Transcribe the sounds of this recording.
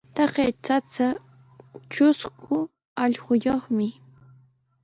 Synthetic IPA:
t̪ɑɢejt͡sat͡sa | t͡ʃʊskʰʊ | ɑʎχʊjoχmɪ

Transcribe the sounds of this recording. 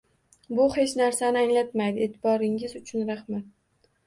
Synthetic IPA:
bʊhe̞t͡ʃnaɾsanɪaŋlat̪majd̪ɪeːt̪ʰɪbɒɾɪŋɪzʊt͡ʃʰʊnɾaχmat̪̚

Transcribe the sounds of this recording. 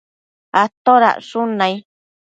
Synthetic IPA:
at̪oɾa̰ʔʂunãĩ

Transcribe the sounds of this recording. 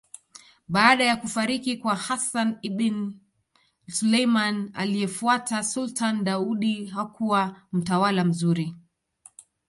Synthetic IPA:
ɓaːɗajakufaɾikikwahasaniɓin | sulejmana̰lijɛfuatasultanɗauɗihakuwam̩tawalam̩zuɾi

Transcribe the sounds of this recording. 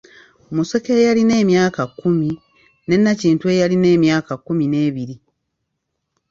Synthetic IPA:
muse̞ke̞ːjaline̞ːmjaːkakːumi | ne̞nːaciːntue̞jaline̞ːmjaːkakːumine̞ːβiɾi

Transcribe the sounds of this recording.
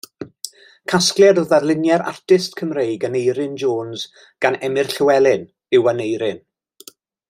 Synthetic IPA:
kʰasklˠjɛadɔðarlˠɪnjɛɾa̰rtʰɪstkʰəmrejɡənejɾɪnd͡ʒoːnz | ɡ̥anɛmɪrɬɪwɛlˠɪn | ɪwanejɾɪn

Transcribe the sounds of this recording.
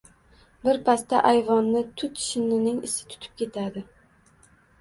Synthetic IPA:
bɪɾpʰast̪aʔajvɒnːɪt̪ʰʊt̪ʰʃɪnɪnɪŋɪsɪ̥t̪ʰʊ̥t̪ʰɪ̥p̚kʲʰe̞t̪ʰad̪ɪ

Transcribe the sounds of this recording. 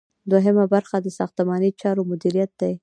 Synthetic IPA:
d̪oɦemabaɾxad̪əsɑxt̪əmɑnit͡ʃɑɾomʊd̪iɾijat̪̚d̪aj

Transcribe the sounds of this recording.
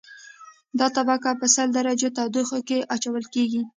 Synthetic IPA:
d̪ɑt̪abakapəsəld̪aɾad͡ʒot̪awd̪oxokeʔat͡ʃawəlkeɡi

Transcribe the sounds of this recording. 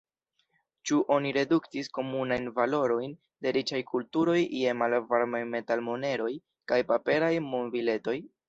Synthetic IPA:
t͡ʃuʔo̞niɾe̞duktisko̞munajnvalo̞ɾo̞jn | de̞ɾit͡ʃajkultuɾo̞jjemalvaɾmajme̞talmone̞ɾo̞j | kajpape̞ɾajmonvile̞to̞j

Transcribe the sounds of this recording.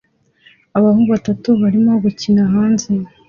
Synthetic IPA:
aβahubβatatuβaɾimo̞ɡucinaɦaːnze

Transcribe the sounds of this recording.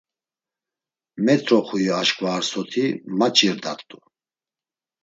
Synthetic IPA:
mɛt̪ʰʼɾɔχujiaʃkʼvaːɾsɔt̪ʰimat͡ʃʼiɾd̪a̰t̪ʼu

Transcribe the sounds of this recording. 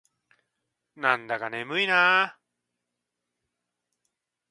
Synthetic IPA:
nãnd̪akanemɯina

